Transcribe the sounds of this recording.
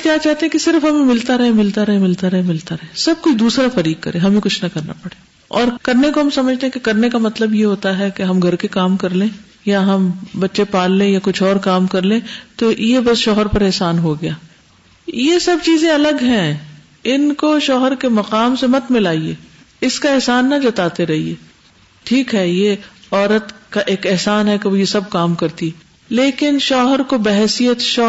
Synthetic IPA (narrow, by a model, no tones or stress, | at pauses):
kjaːt͡ʃaːɦt̪eɦɛ̃kesɪɾfɦɐmẽmɪlt̪aɾɐɦemɪlt̪aɾɐɦemɪlt̪aɾɐɦemɪlt̪aɾɐɦesɐb̚koid̪uːsɾafɐɾiːk̚kːɐ̰ɾẽɦɐmẽkʊt͡ʃʰnɐkɐɾna̰pɐɽeː | ɔːɾkɐɾnekoɦɐmsɐməd͡ʒʱt̪eɦɛ̃kekɐɾnekamɐt̪ləbjeɦoːt̪aɦɛkeɦɐmɡʱɐɾkekaːmkɐɾlẽː | jaɦɐmbɐtːʃepaːlːẽjakʊt͡ʃʰɔːɾkaːmkɐɾlẽt̪ojebɐsʃɔːɦəɾpɐɾɛɦsaːnɦoɡɐjaː | jesɐb̚t͡ʃiːzẽɐləɡɦɛ̃ | ɪnkoʃɔːɦəɾkemɐqaːmsemɐt̪mɪlaːieː | ɪskaɛɦsaːnːɐd͡ʒɐt̪aːt̪eɾɛɦieː | ʈʰiːkɦɛjeɔːɾət̪kaʔeːkɪɦsaːnɦɛkeʋojesɐb̚kaːmkɐɾt̪i | leːkɪnʃɔːɦəɾkobɛɦsijət̪ʃɔ